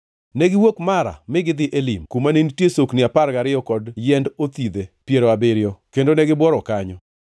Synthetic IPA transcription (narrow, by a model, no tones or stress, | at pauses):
neɡɪwokmaɾa̰mɪɡɪd̪ɪʔelimkumanentjesoknɪapaɾɡaɾɪjɔkɔdjɛndot̪id̪epjeɾoabɪɾɪjɔkendonɛɡɪbwɔɾɔkaɲɔ